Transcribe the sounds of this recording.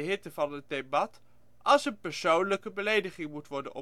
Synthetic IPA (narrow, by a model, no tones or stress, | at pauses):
ɦɪtəvɑnət̚debɑt | ɑlˠsənpəɹsownləkəbəlejdəχɪŋmutʋɔɹdə̰nɔ̰